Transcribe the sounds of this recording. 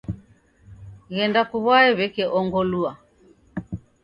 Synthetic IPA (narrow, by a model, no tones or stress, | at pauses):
ɣɛndakuβwaɛβɛkɛʔɔŋɡɔlua